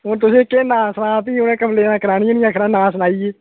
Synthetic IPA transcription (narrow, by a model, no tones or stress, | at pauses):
ɦʊnt̪̬ʊsĩːkeːnãːsənãːp̪iːʊnẽːkəpleːnãːkəɾaːniːonĩːakʰɾãːnãːsnaːiːeː